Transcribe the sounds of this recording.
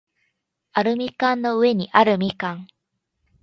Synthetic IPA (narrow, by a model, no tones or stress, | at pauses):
aɾɯ̟mʲikãnːo̞ɯ̟e̞ɲ̟iʔaɾɯ̟mʲikãŋ